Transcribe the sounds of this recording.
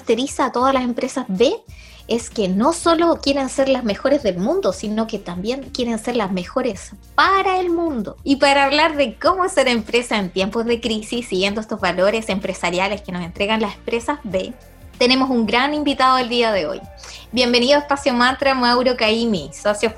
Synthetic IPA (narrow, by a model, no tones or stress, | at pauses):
t̪eɾisaːt̪o̞ð̞alase̞mpɾe̞sazβe̞ | eskeno̞so̞lo̞kje̞ɾense̞ɾlazme̞xo̞ɾe̞zðe̞lmũnd̪o̞sinoket̪ambje̞ŋkje̞ɾense̞ɾlazme̞xo̞ɾe̞spaɾaelmũnd̪o̞ipaɾaːβlaɾðe̞ko̞moseɾe̞mpɾe̞saent̪jempozðe̞kɾisisːiɣje̞nd̪oest̪o̞zβalo̞ɾe̞se̞mpɾe̞saɾjaleskenose̞nt̪ɾeɣanlase̥mpɾe̞sazβe | t̪e̞ne̞mo̞suŋɡɾanimbit̪aðoeld̪iaðeo̞̰jbje̞mbe̞niðoaespasjomant̪ɾamawɾokaimisosjo